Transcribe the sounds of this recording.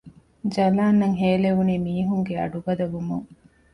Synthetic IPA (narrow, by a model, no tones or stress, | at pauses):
d͡ʒɐlaːnːɐŋɦeːleʋuniːmiːɦuŋɡeɐ̰ɖubɐd̪ɐbumuŋ